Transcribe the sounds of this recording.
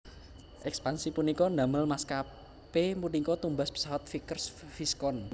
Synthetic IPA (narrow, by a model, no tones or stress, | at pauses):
ʔɛkspansipunikɔna̤məlmaska | pemunikɔt̪umbaspə̥sawat̪̚fikərsfiskɔn